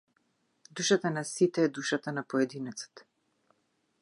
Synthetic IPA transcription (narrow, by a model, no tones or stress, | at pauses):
d̪uʃat̪anasit̪ɛːd̪uʃat̪anapɔɛd̪inɛt̪sḁt̪